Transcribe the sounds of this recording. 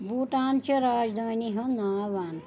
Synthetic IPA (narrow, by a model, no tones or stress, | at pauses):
buʈãnt͡ɕeɾad͡ʒd̪əniɦə̃naʋaːn